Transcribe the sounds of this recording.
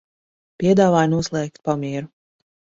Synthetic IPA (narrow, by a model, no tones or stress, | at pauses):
pʲiɛd̪aːvaːjnuɔslˠɛːk̚t̪̚pamiɛɾu